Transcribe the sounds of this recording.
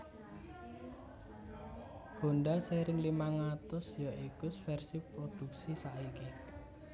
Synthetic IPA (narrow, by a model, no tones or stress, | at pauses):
ho̤nɖaseɾɪŋlimaŋat̪ʊsjɔʔikʊsfɛrsipɾod̪̥ṳksisaike